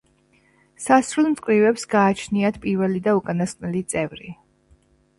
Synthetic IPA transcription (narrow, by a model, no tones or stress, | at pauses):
sasɾulˠmt̪sʼqʼɾivɛpsɡaːt͡ʃʰniat̪ʰpʼiɾvɛlid̪aukʼanasqʼnɛlit̪sʼɛvɾi